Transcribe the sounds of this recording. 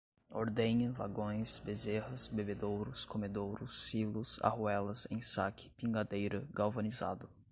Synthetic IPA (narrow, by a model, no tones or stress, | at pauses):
oɾd̪ẽɲɐva̰ɡõj̃sbezehɐsbebed̪owɾʊskomed̪owɾʊsːilʊsa̰huɛlɐsḛ̃j̃sakɪ̥pĩŋɡad̪ejɾɐɡawvoniza̰d̪ʊ